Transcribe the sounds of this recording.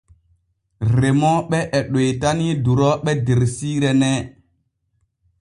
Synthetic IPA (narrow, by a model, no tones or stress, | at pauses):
ɾemɔɓɛʔɛɗojtaniduɾɔɓɛdeɾsiːɾɛnɛ